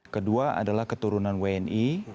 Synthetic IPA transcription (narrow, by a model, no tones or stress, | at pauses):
kəduaʔa̰dalahkət̪uɾunanweɛni